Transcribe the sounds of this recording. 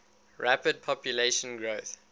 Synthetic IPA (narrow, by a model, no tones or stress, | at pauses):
ɹapəd̚pʰɔpjuleʃə̃nɡɹoːθ